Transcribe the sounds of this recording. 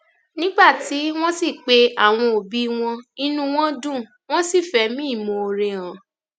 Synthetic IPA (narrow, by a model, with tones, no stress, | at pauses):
nĩ˦ɡ͡ba˦˨ti˨˦w̃ɔ̃˦si˦˨k͡pe˧a˦˨w̃ɔ̃˧o˨bi˨˦w̃ɔ̃˧i˧nũ˧w̃ɔ̃˦dũ˦˨ | w̃ɔ̃˦si˦˨fɛ˨˦mĩ˦i˦˨mõ˧o˧ɾe˧ã˨˦